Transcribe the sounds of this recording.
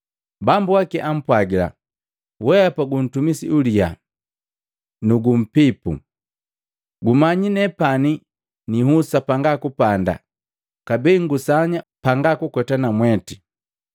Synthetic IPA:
bambuakiʔam̩pwaɡila̰ | wɛapaɡun̩tumisiulia̰ | nuɡum̩pipṵ | ɡumaɲinɛpani | niɦusapaŋɡakupanda̰ | kabɛŋɡusaɲapaŋɡakukɔtanamwɛti

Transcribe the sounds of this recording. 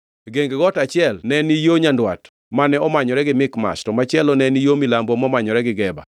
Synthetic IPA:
ɡeŋɡeɡɔtat͡ʃɪɛlnɛnijoɲandwa̰t | manɛɔmaɲɔɾɛɡɪmɪkma̰ʃtɔmat͡ʃɪɛlɔnɛnijomilambomɔmaɲɔɾɛɡɪɡɛba̰

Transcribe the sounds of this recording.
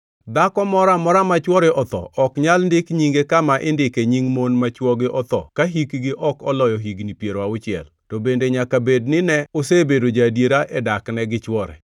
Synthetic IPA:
d̪akɔmɔɾamɔɾamat͡ʃwɔɾɛʔɔt̪ɔ̰ʔɔkɲalndɪkɲiŋɡekamaʔɪndɪkeɲiŋmonmat͡ʃwɔɡɪʔɔt̪ɔ̰kaɦikɡɪʔɔkɔlɔjɔɦiɡnipjeɾwaʊt͡ʃɪjɛ̰l | tɔbendeɲakabednɪnɛosebedod͡ʒadjeɾaʔɛdaknɛɡɪt͡ʃwɔɾɛ̰

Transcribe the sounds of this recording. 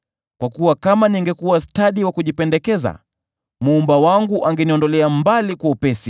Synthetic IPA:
kwakuwakamaniŋɡɛkuwastaɗiwakuʄipɛndɛkɛza̰ | mːmbawaŋɡuʔaŋɡɛniɔndɔlɛambalikwaupɛsi

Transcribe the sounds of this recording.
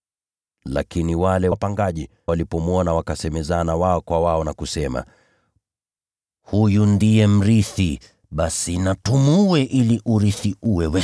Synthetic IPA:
la̰kiniwalɛpaŋɡaʄi | walipɔmuɔnawakasɛmɛzanawaɔkwawaɔnakusɛma̰ | hujundijɛm̩ɾiθi | ɓasinatumuwɛʔiliʔuɾiθiʔuwɛwɛ

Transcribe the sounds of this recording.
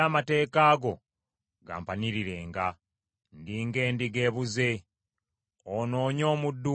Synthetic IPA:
amate̞ːkaːɡo̞ | ɡa̰ːmpaniɾiɾe̞ːŋɡa | ndiːŋɡe̞ːndiɡe̞ːβuze̞ | ono̞ːɲo̞ːmudːu

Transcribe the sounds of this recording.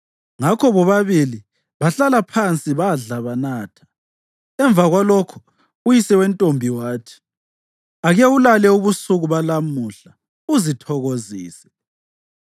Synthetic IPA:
ŋakʰɔβɔβaβili | βaɬalapʰant͡sʼiβaɮaβanaːtʰḁ | ɛɱbvaɣwalokʰu̥ | ujisɛwɛntʼombʱiwaːtʰi̥ | aɣɛulalɛuβusuɣuβalamuɬa | uzitʰɔɣoziːsɛ̥

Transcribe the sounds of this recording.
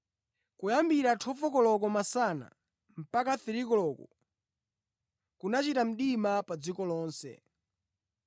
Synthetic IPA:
kujambiɾatʰɔfɔkɔlɔk̬ɔmasana̰ | m̩pakaθiɾikɔlɔkɔ̰ | kunat͡ʃitam̩ɗimapad͡zikɔlɔːnsɛ̰

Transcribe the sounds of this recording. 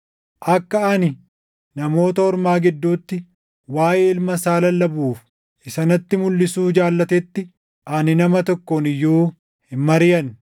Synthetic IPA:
ʔɐkːɐɐnɪ | nɐmo̞ːt̪ɐhɔɾmaːɡɪd̪ːuːt̪ːɪ | waːjeɪlmɐsaːlɐlːɐbuːf | ʔɪsɐnɐt̪ːɪmʊlːɪsuːd͡ʒaːlːɐt̪ɛt̪ːɪ | ʔɐnɪnɐmɐt̪ɔkːonɪjːuː | hɪmːɐɾɪjɐn

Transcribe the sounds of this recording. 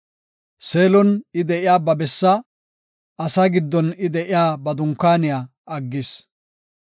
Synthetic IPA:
se̞ːlɔnɪd̪ɛʔɪjaːbɐbɛsːɐ | ɐsaɡɪd̪ːɔnɪd̪ɛʔɪjaːbɐd̪ʊŋkːaːnɪjaː | ɐɡːɪs

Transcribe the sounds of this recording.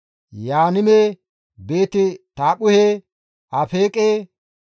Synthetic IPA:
jaːnɪmeː | be̞ːt̪ɪt̪aːɓʊhe | ɐfeːkʼeː

